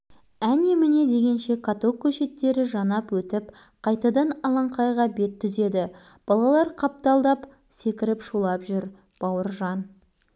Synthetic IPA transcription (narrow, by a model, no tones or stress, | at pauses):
ænemɪne̞d̪e̞ɡʲe̞nʃe̞kʰat̪o̞kʲʰːɵʃe̞t̪ːe̞ɾɪʒɑnɑpwɵt̪ɪp | qʰɑjt̪ɑd̪ɑnɑlˠɑɴqʰɑjʁɑbe̞t̪ʰːʏze̞d̪ɪ | b̥ɑlˠɑlˠɑɾqʰɑp̚t̪ɑlˠd̪ɑp | se̞kʲɪɾɪpʃulˠɑpʒʏɾ | b̥ɑwəɾʒɑn